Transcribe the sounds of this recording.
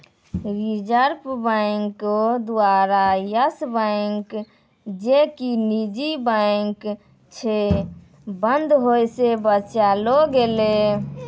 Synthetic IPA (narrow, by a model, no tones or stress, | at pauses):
ɾid͡ʒəɾpbaɪŋkod̪uaɾajəsbaɪŋk | d͡ʒekinid͡ʒibəɪŋk | t͡ʃʰe | bənd̪ʱɦojsebət͡ʃaloɡele